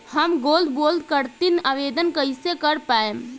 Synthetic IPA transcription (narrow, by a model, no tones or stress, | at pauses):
həmɡold̪ʱbold̪kəɾt̪inaʋed̪ənkəjsekəɾpaem